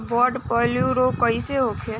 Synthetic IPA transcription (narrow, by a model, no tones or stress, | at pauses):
bɔːɖpɔːljuɾoːkɐiseɦoːkʰe